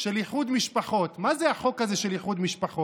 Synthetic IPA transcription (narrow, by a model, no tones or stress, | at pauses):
ʃeliχud̪miʃpaχo̞t̪mazeaχo̞kazeʃeliχud̪miʃpaχo